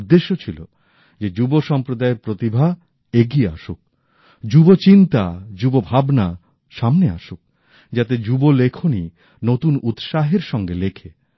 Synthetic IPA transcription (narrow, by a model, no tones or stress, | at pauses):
d̪ːeʃːot͡ɕʰilo̰ | d͡ʑed͡ʑuboʃɔmpɾod̪aeɾpɾot̪ibʱa | eɡiea̰ʃuk̚ | d͡ʑubot͡ɕint̪ad͡ʑubobʱabna | ʃamnea̰ʃuk̚ | d͡ʑat̪ed͡ʑubolekʰoni | not̪unut̪ʃaɦeɾʃɔŋɡelekʰe